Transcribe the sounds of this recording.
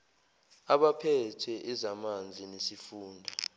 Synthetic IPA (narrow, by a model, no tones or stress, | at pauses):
aɓapʰɛtʰɛʔɛzamand͡zʱinesifuːndʱa